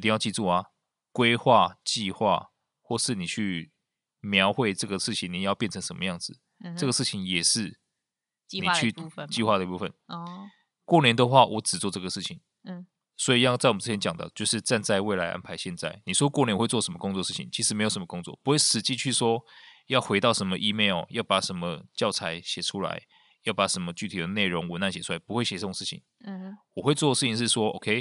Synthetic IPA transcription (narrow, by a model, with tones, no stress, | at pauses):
ti˧ŋjɑ˥˧t͡ɕi˥˧t͡su˥˩a˨˩ | kwe˥ɪxwa˥˧t͡ɕi˥˧xwa̰˥˧ | xwɔ˥˧ʂɻ̩˥˩ni˨˩t͡ɕʰy˥˩ | mjɑ˧˥ʊxwe˥˧ɪʈ͡ʂɤ˥˩ɡə˩ʂɻ̩˥˩t͡ɕʰi˨˦ŋni˨˩˦jpjɛ˥˩nt͡sʰə˧˦ŋʂə˧˦mə̰˧˦jɑ˥˩ŋd͡zɹ̩˩ | ʈ͡ʂɤ˥˩ɡə˩ʂɻ̩˥˩t͡ɕʰi˨˦ŋjɛ˨˩ʂɻ̩˥˩˧ | ni˨˧˩t͡ɕʰy˥˧˨t͡ɕi˥˧xwa˥˩d̪ə˨i˥pu˥˩ə̰˨˩n | kwɔ˥˨njɛ˧˦nd̪ə˨˧xwa˥˩wɔ˨˥ʈ͡ʂɻ̩˨˩t͡swɔ˥˧ʈ͡ʂɤ˥˩ɡə˩ʂɻ̩˥˩t͡ɕʰi˨˩ŋ | swɔ˧˥i˨˩jɑ˥˧ʊt͡sa˥ɪwɻ̩˥t͡ɕʰɛ˧˦nt͡ɕjɑ˨˩ŋd̪ə̰˦t͡ɕjo˥˧ʊʂɻ̩˥˧t͡sa˥˧nt͡sa˥˧ɪwe˥˩ɪla˧ɪʔa̰˥npʰa˧˦ɪɕjɛ˥˧nt͡sa̰˥˩ɪni˨˩ʂwɔ˥kwɔ˥˩njɛ˧˥nxwe˥˧ɪt͡sɔ˥˩ʂə˧˥mə˧kʊ˥ŋt͡swɔ˥˧ʂɻ̩˥˩t͡ɕʰi˨˩ŋt͡ɕʰi˧˥ʂɻ̩˧˥me˧˥jʂə˦mə˧kʊ˥ŋt͡swɔ̰˥˩pu˧˥we˥˩ʂɻ̩˨˩t͡ɕi˥˧t͡ɕʰy˥˩ʂwɔ˥jɑ˥˩ʊxwe˧˥ɪt̪ɑ˥˩ʊʂə˧˥nmə˧ʔi˦me˥˩ɪ˨˩jɑ˥˩ʊpa˨˩ʂə˧˦nmə˧t͡ɕjɑ˥˩ʊt͡sʰa˧˥ɪɕjɛ˨˩ʈ͡ʂʰu˦˥la̰˧˦ɪ | jɑ˥˩ʊpa˨˩ʂə˧˥nmə˧t͡ɕy˥˩t̪ʰi˨˩d̪ə˦ne˥˩ɪɻo˧˦ŋwə˧˦na˥˩nɕjɛ˨˩u˥la˧ɪpu˧˥xwe˥˩ɪɕɛ˨˩t͡sə˥˧ʂɻ̩˥˩t͡ɕʰḭ˨˩˦ŋ | wɔ˨˩xwe˥˧ɪt͡swɔ˥˩d̪ə˩ʂɻ̩ʰ˥˩i˨ŋʂɻ̩˥˩ʂwɔ˥ʔo̰˨˩kʰe˥˦ɪ